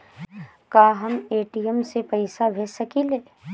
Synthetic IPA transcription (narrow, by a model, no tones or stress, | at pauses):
kaːɦɐmeːʈijɛmsepɐɪsabʱeːsɐkileː